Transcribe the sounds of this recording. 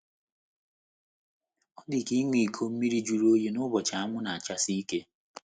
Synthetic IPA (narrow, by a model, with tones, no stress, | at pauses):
ɔ˦dɪ˨ki˦ŋʷi˨kʰo˦m̩˦mi˦ɾi˦d͡ʒu˨ɾo˦ji˦nʊ˦bɔ˨t͡ʃa˨a˦ŋʷʊ˦na˨a˨t͡ʃa˦si˦i˦ke˦